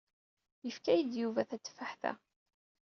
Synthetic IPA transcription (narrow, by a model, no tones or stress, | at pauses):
jəfkæjəd̪juvæθæt͡sːfaħθæ̰